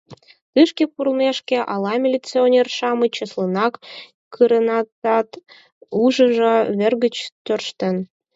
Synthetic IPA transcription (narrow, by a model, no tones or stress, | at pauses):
t̪ɨʃkepurlmeʃkʲĕʔɑlɑmʲilʲit͡sionʲerʃɑmət͡ɕəslˠənɑk | kːɯɾə̆nɑt̪ɑt̪ | uʒə̆ʒə̆βĕrɣət͡ɕt̪ørʃt̪ə̆n